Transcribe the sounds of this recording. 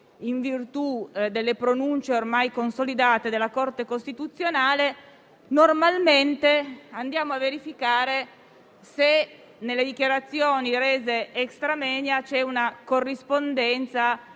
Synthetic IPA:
iɱvirt̪ud̪elːepɾonunt͡ʃeormajkonsolid̪aːt̪ed̪elːakort̪ekost̪it̪ut̪sːjonaːle | normalment̪eand̪jaːmoavːeɾifikaːɾe | se | nelːed̪ikjaɾat̪sːjoːniɾeːzeekst̪ɾamɛːnjat͡ʃɛunakorːispond̪ɛnt̪sa

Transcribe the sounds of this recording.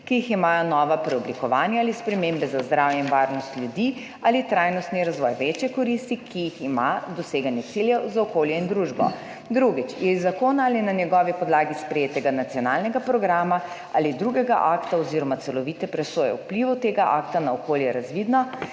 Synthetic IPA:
kijiximaːjɔnɔːʋapɾɛɔblikɔʋaːnjaaːlispɾɛmeːmbɛzazd̪ɾaːwjɛinʋaːɾnɔst̪ljud̪i | alit̪ɾajnɔst̪niɾazʋɔjʋeːt͡ʃjɛkɔɾist̪ikijiximad̪ɔseːɡanjɛt̪siljɛwzaɔkoːljɛind̪ɾuʒbɔ̰ | d̪ɾuɡit͡ʃjɛzakoːnaaːlinanjɛɡɔːʋipɔd̪laːɡispɾɛjeːt̪ɛɡanat̪siɔnaːlnɛɡapɾɔɡɾaːma | a̰ːlid̪ɾuɡɛɡa̰ʔaːkt̪aɔziɾɔmat̪sɛlɔʋiːt̪ɛpɾɛsoːjɛ̰wpliʋut̪eːɡaʔa̰ːkt̪anaɔkoːljɛɾazʋid̪nɔ

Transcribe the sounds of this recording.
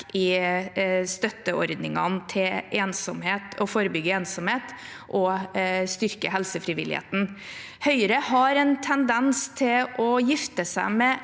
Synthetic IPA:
ɪ | st̪œt̪ːəɔɾd̪nɪŋɑnt̪ʰɪlʔeːnsɔmheːt̪ɔfoːɾəbʏɡəeːnsɔmheːt̪ | ʔɔst̪ʏɾkəɦɛlsəfɾɪʋɪ̰lɪ̰hḛːt̪n̩ | hœʏɾəhɑɾɛnt̪ʰɛnd̪ɛnst̪ʰɪlʔɔjɪft̪əsæɪmɛ

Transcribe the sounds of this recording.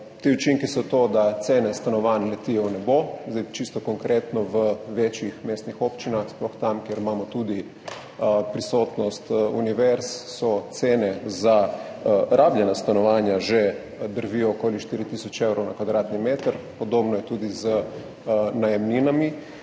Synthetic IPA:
t̪iut͡ʃiŋkisɔt̪od̪at̪seːnɛst̪anɔʋanlɛt̪ijɛwnɛbozd̪ajt͡ʃist̪ɔkoŋkɾeːt̪nɔʋəʋeːt͡ʃjixmeːst̪nixopt͡ʃinaxsplɔxt̪amkjeɾimaːmɔt̪uːd̪i | pɾisot̪nɔst̪uniʋɛɾsːɔt̪seːnɛza | ɾʔaːblʲjɛnast̪anɔʋaːnjaʒɛ | d̪əɾviɔkoːliʃt̪iɾit̪iːsɔt͡ʃewɾɔwnakʋad̪ɾaːt̪nimeːt̪əɾpɔd̪oːbnɔjɛt̪uːd̪izə | najɛmninami

